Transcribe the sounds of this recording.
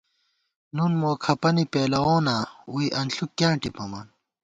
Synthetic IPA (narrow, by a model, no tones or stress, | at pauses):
nunmoːkʰɐpɐnipeːlɐwoːnaːuiʔɐnɬukːjãːʈipɐmɐn